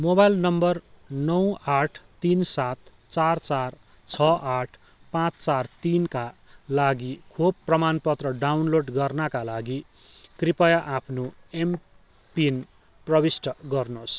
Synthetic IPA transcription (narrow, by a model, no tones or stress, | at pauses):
mobajlnʌmbʌrnʌwaʈʰt̪insat̪ | t͡sart͡sar | t͡sʰʌʔaʈʰ | pãt͡st͡sart̪inkalaɡikʰobpːrʌmanpʌt̪rʌɖawnloɖɡʌrnakalaɡi | k̪ripʌjaʔapʰnoem | pin | prʌbisʈʌɡʌrnos